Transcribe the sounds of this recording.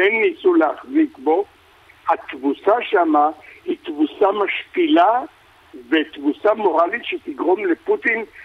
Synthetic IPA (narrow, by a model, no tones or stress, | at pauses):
enːisuleaχzikbo̞ | hat̪vusaʃamahit̪vusamaʃpila | vet̪vusamo̞ʁalit̪ʃet̪iɡʁo̞mleput̪in